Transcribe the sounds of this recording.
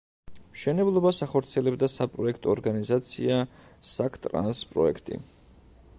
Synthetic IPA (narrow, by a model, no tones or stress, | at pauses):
mʃɛnɛblˠɔbasaχɔɾt̪sʰiɛlɛbd̪asapʼɾɔɛkʰt̪ʼɔːɾɡanizat̪sʰḭasakʰt̪ʼɾa̰nspʼɾɔ̰ɛkʰt̪ʼḭ